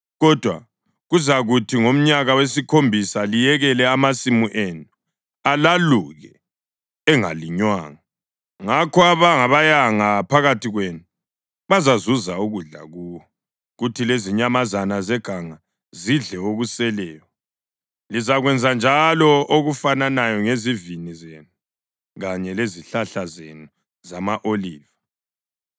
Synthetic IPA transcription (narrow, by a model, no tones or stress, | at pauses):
ɣɔd̥ʱwa̰ | ɣuzaɣutʰiŋom̩ɲaɣawesikʰombʱisalijɛɣɛlɛamasimuʔenu | alaluɣɛ | ɛŋa̰liɲwa̰ːŋa | ŋakʰɔaβaŋaβajaŋapʰaɣatʰiɣwenu | βazazuzauɣuɮa̰ɣuːwɔ | ɣutʰileziɲamazanazɛɡ̥ʱaŋa | ziɮɛoɣusɛlɛːjɔ | lizaɣwɛnd͡zʱand͡ʒʱalɔoɣufananajɔŋezivinizenu | ɣaɲɛleziɬaɬazenu | zamaʔoliːva